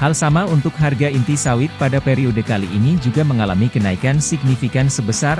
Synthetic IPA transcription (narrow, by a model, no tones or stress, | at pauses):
halsamaunt̪ʊk̚ɦarɡaint̪isawɪt̪̚padapeɾiodəkaliʔːnid͡ʒuɡaməŋalamikənaikansiɡ̚nifikansəbəsar